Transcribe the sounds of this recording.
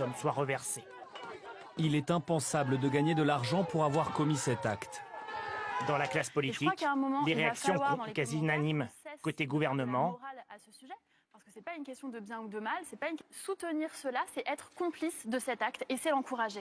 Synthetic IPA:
ɔmswaʁəvɛʁse | ilɛt̪ɛ̃pɑ̃sabləd̪əɡaɲed̪əlaʁʒɑ̃puʁavwaʁkɔmisɛt̪akt̪ | d̪ɑ̃laklaspɔliʒtəiwakaɛ̃mɔmɑ̃d̪eʁeaksjɔ̃wãkaziynanimkot̪eɡuvɛʁnəmɑ̃ʁalasəsyʒɛ | paʁsə̥kəsɛpaynkʲɛst̪jɔ̃d̪əbjɛ̃ud̪əmalsɛpaynsut̪əniʁsəlasɛʔɛt̪χəkɔ̃plisd̪əsɛt̪ak̚t̪esɛlɑ̃kuʁaʒe

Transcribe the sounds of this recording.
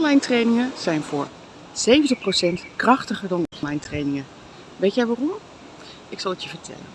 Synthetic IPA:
nlɑjntrejnɪŋəz̥ɛjnvʊːɹ | z̥ejvəntəχprowsɛntkrɑχtəχəɹdɑnɔnlɑjntrejnɪŋə | ʋejtjɛjʋaːrɔm | ɪksɑlˠətjəvəɹtʰɛ̰lə̰n

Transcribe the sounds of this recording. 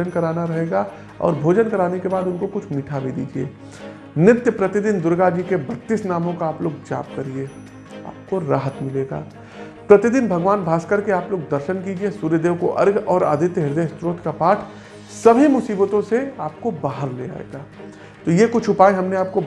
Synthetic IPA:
ənkɐɾaːnaɾɐɦeːɡa | ɔ̰ːɾbʱoːd͡ʒənkɐɾaːnekebaːd̪ʊnkokʊt͡ʃʰmiːʈʰabid̪ḭːd͡ʒiḛː | nɪt̪jəpɾɐt̪ɪd̪ɪnd̪ʊɾɡad͡ʒikebɐt̪ːɪsnaːmõkaaːploːɡd͡ʒa̰ːp̚kɐɾieː | a̰ːp̚koɾa̰ːɦət̪mɪleːɡa̰ː | pɾɐt̪ɪd̪ɪnbʱɐɡʋaːnbʱaːskəɾkeaːploːɡ̚d̪ɐɾʃənkiːd͡ʒiesuːɾjəd̪eːʋkoʔɐ̰ɾɡʱɔːɾa̰ːd̪ʱɪt̪jəɦɪɾd̪est̪ɾoːt̪ʰkapaːʈʰ | sɐbʱimʊsiːbət̪õseaːp̚kobaːɦəɾlḛa̰ːḛɡaː | t̪ojekʊt͡ʃʰʊpaːeɦɐmneaːp̚ko

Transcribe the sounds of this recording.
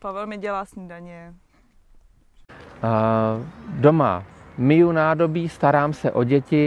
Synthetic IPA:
pavɛlmɪɟɛlaːsɲidaɲɛ | do̞ma̰mɪjunaːdo̞biːst̪aɾaːmsɛʔo̞ɟɛcɪ

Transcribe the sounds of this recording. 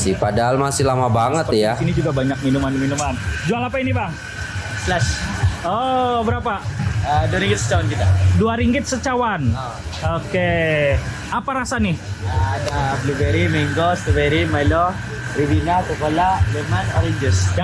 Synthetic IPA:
sɪpadaɦalmasɪlamabaŋət̪jasinid͡ʒuɡabaɲak̚minumanminumand͡ʒualapainibaŋ | slaʃobəɾapaəduaɾiŋɡɪt̪̚sə̥t͡ʃawankit̪aduaɾiŋɡɪt̪̚sət͡ʃawan | oke | apaɾasanɪhadablubeɾimeŋɡost̪əbeɾimalɔ | ɾibinasəkolalemanaɾid͡ʒʊsda

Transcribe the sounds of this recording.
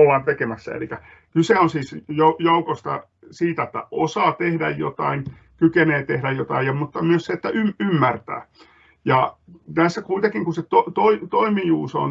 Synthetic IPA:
oʋɑnt̪ekemæsːæ̰ḛlikæ | kyseonsiːsjojoukost̪ɑ̰ | siːt̪æet̪ːæ̰ʔosɑːt̪ehdæ̰jjo̰t̪ɑ̰in | kykeneːt̪ehdæjjot̪ɑijɑmmut̪ːɑmyøsseet̪ːæʔymymːært̪æ̰ː | jɑt̪æsːækuit̪ekiŋkuset̪ot̪oit̪oimijuːso̰n

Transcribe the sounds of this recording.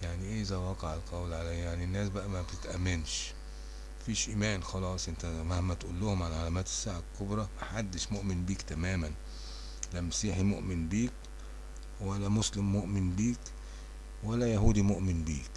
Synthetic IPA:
jaʕniʔɪzæwɑːqɑʕɪlqɑwlʕalæjaʕninːæːsbæʔæmæbt̪ɪt̪ʔæmːɪnʃ | fiːʃʔimæːnxɑlɑːsˤʔɪnt̪æmahmæt̪ʔulːʊhʊmʕalʕalæmæːt̪ɪ̥sːaʕakːʊbɾˤɑmaħad̪ːɪʃmʊʔmɪnbiːkt̪æmæːmæn | læmæsiːħimʊʔmɪnbiːk | wælːæmʊslɪmːʊʔmɪnbiːk | wælːæjaɦuːd̪imʊʔmɪnbḭːk

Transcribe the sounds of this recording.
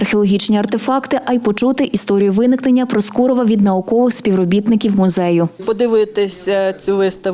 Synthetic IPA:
ɐrxʲeɔlˠɔɦʲit͡ʃnʲiɐrt̪efɑkt̪ɪʔɐjpɔt͡ʃut̪ɪʔist̪ɔɾʲijʊʋɪnɪkne̞nʲːɐpɾɔskuɾɔʋɐʋʲid̪nɐʊkɔʋɪxsʲpʲiwɾɔbʲit̪nɪkʲiwmʊzɛjʊpɔd̪ɪʋɪt̪ɪsʲɐt͡sʲuʋɪst̪ɐ

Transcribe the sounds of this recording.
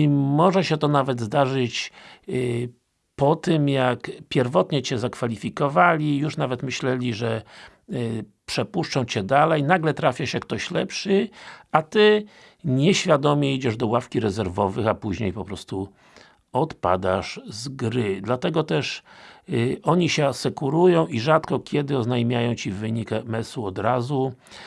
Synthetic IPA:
imɔʐɛɕɛt̪ɔnavɛd̪zd̪aʐɘt͡ɕ | pɔt̪ɘmjakpʲjɛɾvɔt̪ɲɛt͡ɕɛzakfalʲifʲikɔvalʲijuʂnavɛt̪mɘɕlɛlʲiʐɛ | pʂɛpuʂt͡ʂɔ̃w̃t͡ɕɛd̪alɛjnaɡlɛt̪ɾafʲjaɕɛk̚t̪ɔɕlɛpʂɘat̪ɘ | ɲɛɕfʲjad̪ɔmʲjɛid͡ʑɛʐd̪ɔwafkʲiɾɛzɛɾvɔvɘxapuʑɲejpɔpɾɔst̪u | ɔt̪pa̰d̪aʂzɡɾɘd̪lat̪ɛɡɔt̪ɛʂ | ɔɲiɕɛasɛkuɾujɔ̃w̃iʐat̪kɔkʲʰɛd̪ɘɔznajmʲjajɔ̃w̃t͡ɕivɘɲikmɛsuɔd̪ɾazu

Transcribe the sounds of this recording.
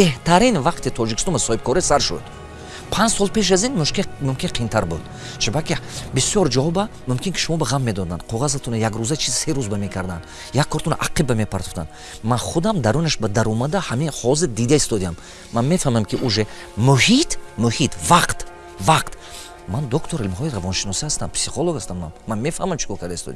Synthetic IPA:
b̥eht̪ʰaɾinvaqt̪it̪ʰɔd͡ʒikʰi̥st̪ɔnbasɔhib̚kʰɔɾisaɾʃṵd̪̥ | pʰãnd͡ʒsɔlˠpʰe̞ʃ̬azinmuʃkimumkʰʲinqʰint̪ʰaɾbud̪ | t͡ʃʰibakʰibisjɔɾd͡ʒaɔbamumkʰʲinkʰi̥ʃumɔbaʁamːe̞d̪ɔd̪and̪qʰɔʁazat̪ʰunajaɡɾuzat͡ʃʰizseɾuzbamekʰaɾd̪an | jakʰːɔɾt̪ʰunaʔaqibːamepʰaɾt̪u̥t̪a̰n | manχud̪amd̪aɾunaʃbad̪aɾɔmad̪ahaminhɔziɾd̪id̪aist̪ɔd̪iamː | anme̞famamkʰiʔuʒe | muhit̪muhit̪ʰvaqt̪ | vaqt̪ | mand̪ɔkt̪ʰoɾilmɦɔjiɾavɔnʃinɔsihast̪ampʰsiχolˠoɡast̪anmanmanme̞fahmamt͡ʃʰi̥kɔɾkʰaɾd̪ast̪ɔ̰d̪i

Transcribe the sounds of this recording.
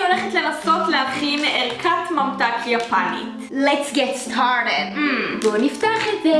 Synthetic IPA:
oleχetlenasotlehaχimeʔeʁkʰatmamtakljapanḭt | lɛtsɡɛtstʰaɹɾedboniftaχetze

